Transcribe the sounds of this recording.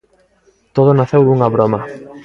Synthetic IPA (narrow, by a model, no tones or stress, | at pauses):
t̪oð̞onaθewd̪uŋaβɾoma